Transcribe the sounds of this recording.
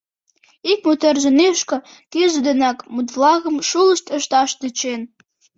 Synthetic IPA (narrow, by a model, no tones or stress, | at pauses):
ik̚mut̪erʒə̆neʃkɤ̆ | keʒəd̪enɑkmut̪vlɑɣə̆mʃulə̆ʃt̪ə̆ʃt̪ɑʃt̪yt͡ɕen